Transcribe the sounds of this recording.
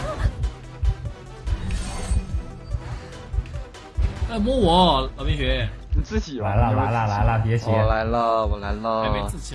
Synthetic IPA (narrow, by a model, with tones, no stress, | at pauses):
a˥˩mɔ˥wɔ˨˧˥lɑ˧˥˩mi˧˥ŋɕɥɛ˧˥˨ | t͡sɹ̩˥˩t͡ɕi˨˩la˧˥ɪlə˧la˧˥ɪlə˥˧la˧˥ɪlə˧pjɛ˧˥ɕjɛ˧˥la˧˥ɪlə˧wɔ˨˩la˧˥ɪlə˧˥e˧ɹ̩˥˩t͡ɕʰ